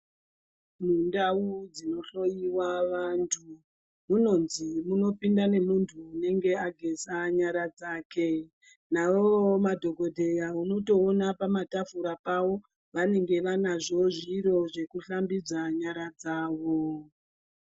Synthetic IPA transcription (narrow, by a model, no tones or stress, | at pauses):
mundaud͡zino̞ɬo̞jiwaʋantʰu | muno̞nzimuno̞pindane̞muntʰuːne̞ŋɡe̞aɡʱe̞saɲaɾad͡zaːke̞ | naʋomadʱo̞ɡʱo̞dʱe̞jauno̞to̞ːnapamatafuɾapawo̞ | ʋane̞ŋɡe̞ʋanaʐo̞ʐiɾo̞ʐe̞kuɬambid͡zaɲaɾad͡zaːʋo̞